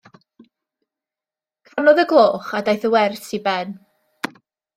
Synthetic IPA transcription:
kʰvarnɔðəɡlˠoːχadajθəwɛrsibɛn

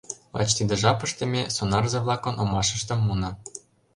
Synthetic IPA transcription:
lɑ̰t͡ɕt̪id̪ə̆ʒɑpə̆ʃt̪ə̆mʲesonɑrzɤ̆βlˠɑkŏnʔomɑʃə̆ʃt̪ɤ̆mːunɤ̆

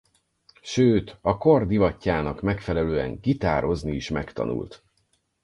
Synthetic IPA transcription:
ʃøːt̪ɒko̞rd̪ivɒcːaːnɒkmɛkfɛlɛløːɛ̰ŋkit̪aːɾo̞zniiʃmɛkt̪ɒ̰nṵlt̪

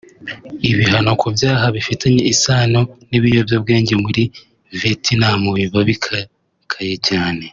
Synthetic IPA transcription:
iβiɦano̞kʰuvjaːɦaβifitaɲe̞isaːno̞niβijo̞vjoːb̚ɡe̞ːɲɟemuɾi | vetʰinamuβiβaβikʰa | kʰajecaːne̞

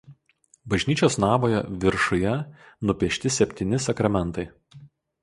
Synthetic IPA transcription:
bɐʒʲnʲiːt͡ʃʲoːsnɑːʋoːjɛʋʲɪɾʃʊjɛnʊpʲiɛʃʲt̪ʲɪsʲɛpʲt̪ʲinʲɪsɐkɾɐmʲɛnˑt̪ɐɪ

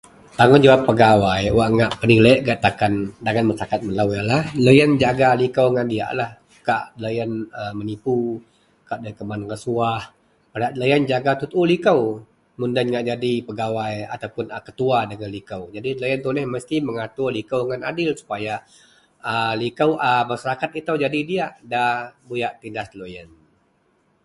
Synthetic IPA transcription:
t̪aŋʊnd͡ʒawapːəɡawajwaʔŋaʔpəɾiləʔɡaʔt̪akandaɡanməsakat̪̚məlawjalahləjand͡ʒaɡalikəwŋandia̰ʔlah | kaʔləjanəmənipu | kaʔdaikəmankəsuah | raʔləjand͡ʒaɡat̪ut̪ulikəw | mundanŋaʔd͡ʒadipəɡawaja̰t̪awpʊnəkə̥t̪uadəŋanlikawd͡ʒadilojənt̪unɛhməst̪iməŋat̪ʊrlikawŋana̰dɪlsu̥paja | əlikawʔamasaɾakat̪̚it̪awd͡ʒadidiaʔdahbujaʔt̪indaslojən

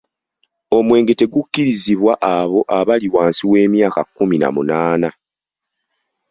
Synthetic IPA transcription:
o̞mwe̞ːŋɡe̞te̞ɡukːiɾiziβwaʔaβo̞ʔaβaliwaːnsiwe̞ːmjaːkakːumina̰mṵnaːna

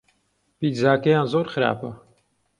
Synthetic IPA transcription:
piːzaːkɐjãːnzoːɾxɨɾa̰ːpɐ

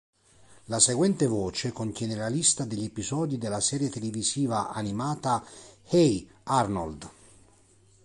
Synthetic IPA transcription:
laseɡwɛnt̪evɔːt͡ʃekont̪jɛːnelalist̪ad̪eʎːepizɔːd̪id̪elːasɛːɾjet̪eleviziːvaʔanimaːt̪ahejarnold̪

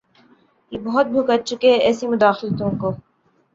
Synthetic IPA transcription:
jebɐɦʊt̪̚bʱʊkət̪̚t͡ʃʰʊkeɛːsimʊd̪aːxlt̪õːkoː

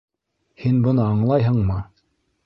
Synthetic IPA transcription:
hinbɤ̆nɤɑɴlˠɑjɦɤɴmɤ

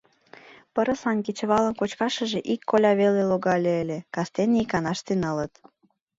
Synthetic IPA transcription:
pəɾə̆sɑnkit͡ɕə̆βɑlənkot͡ɕkɑʃə̆ʒeʔikːolʲɑβeleloɣɑlʲeːlekɑst̪enikɑnɑʃt̪enɑlət̪

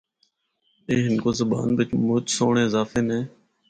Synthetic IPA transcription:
eːɦɪnkoːzəba̰ːnbɪt͡ʃmʊt͡ʃsoːɳeːɪzaːfeːnẽː

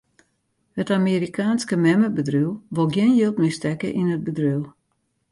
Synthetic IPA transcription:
hətamiɾikʰaːnskəmɛməbədrywˠʋolˠɡjɪnjilˠtmistɛkə̰ʔinəd̚bədryw

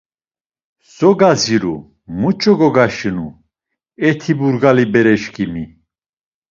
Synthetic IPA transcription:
sɔɡaziɾṵ | mut͡ʃʼɔɡɔɡaʃinu | ɛt̪ʰibuɾɡalibɛɾɛʃkʰʼimi

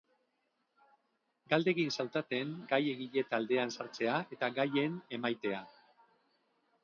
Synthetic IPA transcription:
ɡald̪e̞ɣinsawt̪at̪e̞ŋɡaje̞ɣiʎe̞t̪ald̪e̞ansaɾt͡se̞ae̞t̪aɡaje̞ne̞majt̪e̞a

